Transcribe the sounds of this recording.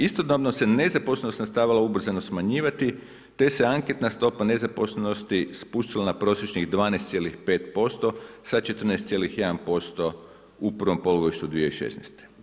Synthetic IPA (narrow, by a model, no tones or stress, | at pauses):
ist̪od̪noʋnose̞ne̞zapo̞sleno̞st̪nast̪aːʋilaubr̩zanosmaɲiːʋat̪i | t̪e̞se̞aŋke̞t̪nast̪o̞pane̞zapo̞sleno̞st̪ispuʃt̪ilanapɾo̞ːsjet͡ʃɲiɣd̪ʋaːnest̪sje̞lixpe̞ːt̪po̞st̪o̞sat͡ʃe̞t̪r̩nest̪sije̞lixjed̪anpo̞st̪o̞ | upr̩ʋo̞mpo̞luɡoiʃt̪ud̪ʋieiʃe̞̰snḛst̪e̥